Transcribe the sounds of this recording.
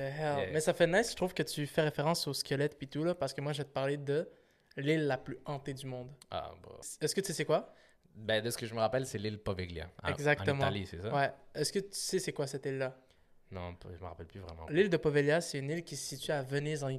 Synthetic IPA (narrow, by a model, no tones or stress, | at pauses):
ɛɦɛlmɛsafɛnaɪsʃt̪χuːv̥kət̪yfɛʁefeʁɑ̃soskʲʰəlɛt̪̚pit̪ulɔpaʁsə̥kəmwaʒet̪əpaʁled̪ə | lɪlːaplyɑ̃t̪ed̪ymɔ̃d̪a̰bɔ̰ɛskət̪y̥sesɛkwa | bɛ̃d̪əsə̥kəʒəməʁapɛlsɛlilpɔvɛɡljã̰ɛɡzakt̪əmɑãlisɛsawɛɛskət̪y̥sesɛkwasɛt̪ilːa | nɔ̰̃ʒəməʁa̰pɛlplyvʁɛ̰mɑ̰̃lild̪əpɔvɛljasɛynilkʲisəsit̪iavənizɑ̃i